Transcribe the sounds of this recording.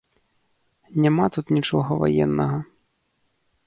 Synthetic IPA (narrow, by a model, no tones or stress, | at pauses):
nʲamat̪ut̪nʲit͡ʂɔɣɐva̰jɛnːɐɣɐ